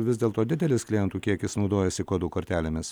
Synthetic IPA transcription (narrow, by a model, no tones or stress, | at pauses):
ʋʲɪzdʲeːlˠt̪oːd̪ʲɪd̪ʲɛlʲɪsklʲɪjɛnt̪uːkʲiɛkʲɪsnɒʊd̪oːjɛsʲɪkoːd̪uːkoːɾʲt̪ʲæːlʲemʲɪs